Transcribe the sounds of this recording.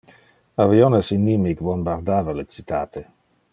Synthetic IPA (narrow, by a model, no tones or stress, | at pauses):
avionesinːimikbombaɾd̪aːvalet͡sit̪aːt̪e